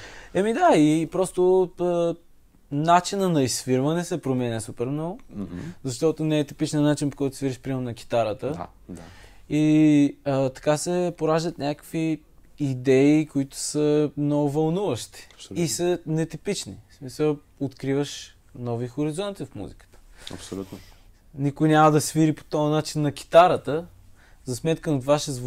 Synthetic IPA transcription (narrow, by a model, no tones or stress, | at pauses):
ɛmid̪aipɾɔst̪oə | nat͡ʃinənɐisfiɾvənɛsɛpɾomɛnʲɛsupɛɾmnɔɡʊzɐʃt̪ɔt̪onɛɛt̪ipit͡ʃnənat͡ʃinpokɔjt̪ʊ̥sviɾiʃpɾimɛɾʊnɐk̟i̥t̪aɾət̪ə̰ | iət̪ɐ̥kasɛpoɾaʒd̪ət̪nʲakə̥kviː | d̪ɛikoit̪ʊ̥səmnoɡʊvɐlˠnuvəʃt̪i̥isənɛt̪ipit͡ʃnismisə | ot̪kɾivəʃ | nɔvixoɾizɔnt̪ifmṵzikə̥t̪ə̥ɐ̰psolut̪ | nikʊjnʲaməd̪ɐsviɾipo̥t̪ɔjɐnat͡ʃinːɐkʲi̥t̪aɾət̪ə | zɐsmɛt̪kənot̪vaʃɛzv